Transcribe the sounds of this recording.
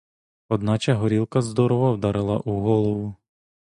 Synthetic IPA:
ɔd̪nɑt͡ʃɐɦɔɾʲilˠkɐzd̪ɔɾɔʋɔwd̪ɑɾɪlˠɐ̰ʔuɦɔlˠɔʋʊ

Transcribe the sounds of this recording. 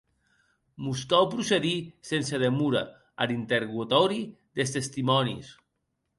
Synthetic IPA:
muskawpɾuseðisenseð̞emuɾa̰ | alint̪eɾɣut̪ɔɾiðest̪est̪imɔnḭs

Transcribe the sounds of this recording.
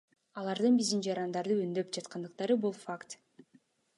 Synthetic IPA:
ɑlˠɑɾd̪ɯnbizd̪ind͡ʒɑɾɑnd̪ɑɾd̪ɯønd̪ø̞pd͡ʒɑt̪qʰɑnd̪ɯq̚t̪ɑɾɯbulˠfakt̪

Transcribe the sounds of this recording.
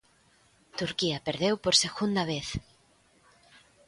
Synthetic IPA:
t̪uɾkiɐpeɾðewpoɾseɣund̪ɐβ̞eθ

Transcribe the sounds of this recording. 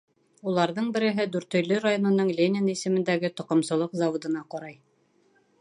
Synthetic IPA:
ulˠɑɾðɤɴbɘ̆ɾɘ̆ɦɘd̪ʉɾt̪ɵ̆jlɵɾajonɤ̆nɤɴlʲenʲɪnisɘ̆mɘ̆nd̪æɡɘt̪ŏqŏmsɤ̆lˠɤqzawŏd̪ɤ̆nɑqɑɾɑj

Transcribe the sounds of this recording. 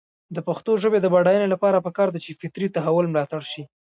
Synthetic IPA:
d̪əpaxt̪oʒəbed̪əbaɽɑjənelapɑɾapəkɑɾd̪at͡ʃefɪt̪ɾit̪aɦawʊlmlɑt̪aɽʃi

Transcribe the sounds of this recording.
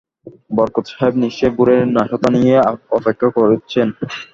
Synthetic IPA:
bɔɾkot̪ʃaɦebniʃt͡ɕeɡuɾeɾnaʃot̪anijeɔpekʰːakoɾet͡ɕʰen

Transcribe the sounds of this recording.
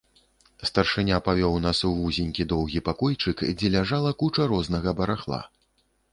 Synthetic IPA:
st̪ɐrʂɨnʲapavʲɔwnasuvuzʲinʲkʲid̪ɔwɣʲipakɔjt͡ʂɨkd͡zʲɛlʲaʐalˠɐkut͡ʂɐɾɔznɐɣɐbɐɾaxlˠa̰

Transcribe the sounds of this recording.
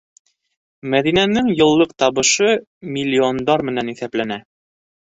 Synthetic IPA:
mæðinænɘŋjɤ̆lˠːɤqt̪ɑβɤ̆ʃɤ | mʲilʲːiond̪ɑɾmɘ̆næniθæplænæ

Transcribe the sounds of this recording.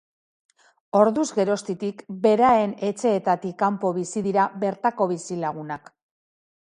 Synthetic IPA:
o̞ɾðuzɡe̞ɾo̞st̪it̪ikbe̞ɾae̞ne̞t͡se̞ːt̪at̪ikːampo̞βisiðiɾaβe̞ɾt̪ako̞βisilaɣ̞unak

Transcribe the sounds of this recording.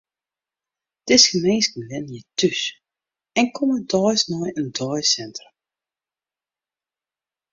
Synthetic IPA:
d̥ɪsxəmeːnskəlɪnjətʰyʃ | ɛnkʰɔmədɔjsnɔjəndɔjsɛntrə

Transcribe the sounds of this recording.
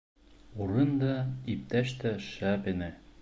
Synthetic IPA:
uɾɤnd̪ɑip̚t̪æʃt̪æʃæpɘnɘ

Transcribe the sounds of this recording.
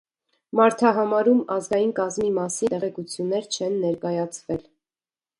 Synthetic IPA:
mɑɾt̪ʰɑɦɑmɑɾumɑzɡɑjinkɑzmimɑsiɛʁɛkut͡sʰjunːɛɾt͡ʃʰɛnːɛɾkɑjɑt͡sʰvɛl

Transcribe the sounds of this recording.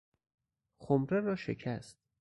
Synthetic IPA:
xomɾeɾɒːʃe̞̰kʰæst̪̚

